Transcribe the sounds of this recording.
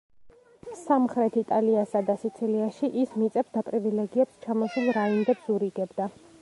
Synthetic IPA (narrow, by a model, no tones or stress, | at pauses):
samχɾɛt̪ʰit̪ʼaliasad̪asit̪sʰiliaʃiʔismit̪sʼɛpsd̪apʼɾivilɛɡiɛpst͡ʃʰamɔsulˠɾaind̪ɛpsuɾiɡɛbd̪a